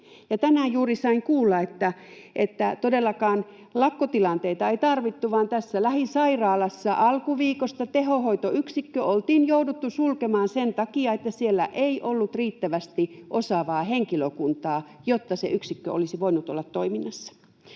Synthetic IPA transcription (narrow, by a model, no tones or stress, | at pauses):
jɑt̪ænæˑːjuːrisɑiŋkuːlːɑet̪ːæʔet̪ːæt̪odelːɑkɑːn | lɑkːot̪ilɑnt̪eit̪ɑeit̪ɑrʋit̪ːuʋɑːnt̪æsːælæhisɑirɑːlɑsːɑʔɑlkuʋiːkost̪ɑt̪eɦohoit̪oyksikːøolt̪iːnjoudut̪ːusulkemɑːnsent̪ɑkiɑet̪ːæsielːæ̰ʔeiʔolːut̪riːt̪ːæʋæst̪iʔosɑʋɑːheŋkiløkunt̪ɑː | jot̪ːɑsḛʔyksikːøolisiʋoinut̪o̰lːɑt̪toiminːɑsːɑ̥